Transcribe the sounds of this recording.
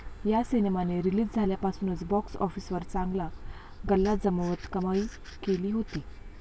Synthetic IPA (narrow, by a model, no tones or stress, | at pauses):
jasinemaneɾiliːd͡zd͡zʱaljapasuːnət͡sbɔksɔ̰fiːsʋəɾt͡sãŋɡla | ɡəlːad͡zəməʋət̪kəmai | keliːɦot̪iː